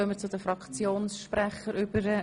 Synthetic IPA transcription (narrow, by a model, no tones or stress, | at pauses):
œmət͡sʊd̥̪əfɾɑkt͡sjoːnsʃprɛχəɾʔʏbəɾə